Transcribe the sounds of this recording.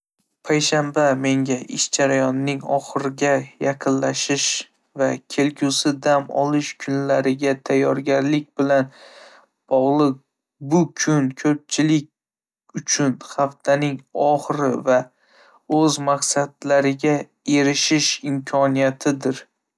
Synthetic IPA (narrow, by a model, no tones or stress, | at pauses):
pʰajʃambame̞ŋɡʲaʔɪʃd͡ʒaɾajɒnːɪŋɒ̰χɨɾɪɡʲajaqʰɨnlaʃɪʃ | vakʲʰe̞lkʲʰʊsɪd̪amɒ̰lˠɪʃkʰʊnlaɾɪɡʲat̪ʰajːɒɾɡʲaɾlɪk̚ʲbɪlan | b̥ɒʁlˠɨq̚ | bʊkʲʰʊnkʰɵp̚t͡ʃʰɪlɪk̚ʲ | ʊt͡ʃʰʊnχaft̪ʰanɪŋɒχɾɪva | ɵzmaqsad̪laɾɪɡʲa | e̞ɾɪʃɪʃɪmkʲʰɒnijat̪ʰɪd̪ɪɾ